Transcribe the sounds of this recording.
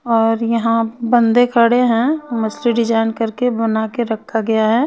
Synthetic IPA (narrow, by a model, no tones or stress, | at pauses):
ɔːɾjɐɦãbɐ̃nd̪ekʰɐɽeɦɛ̃mɐsliɖɪd͡ʒaːɪnkɐɾkebɐnaːkeɾɐkʰːaɡɐjaɦɛː